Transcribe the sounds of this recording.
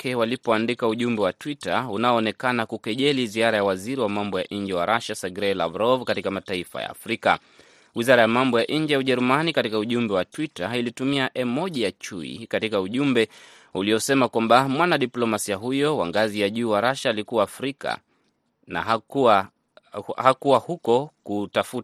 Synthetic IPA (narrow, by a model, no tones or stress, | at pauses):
kʰɛwalipɔandikauʄumbɛwatwitaunaɔːnɛkanakukɛʄɛliziaɾajawaziɾiwamambɔjaʔiɲd͡ʒɛwaɾaʃasaɡɾɛla̰vɾɔvkatikamataifa̰ja̰ːfɾika̰ | wizaɾajamambɔjaʔiɲ̩d͡ʒɛjauʄɛɾumanikatikauʄumbɛwatwitailitumiaʔɛmɔʄijat͡ʃuḭkatikauʄumbɛ | uliɔsɛmakwambamwanaɗiplɔmasiaɦujɔwa̰ŋɡazijaʄuːwaɾaʃaːlikuwaːfɾika̰ | na̰a | hakuahukɔkutafut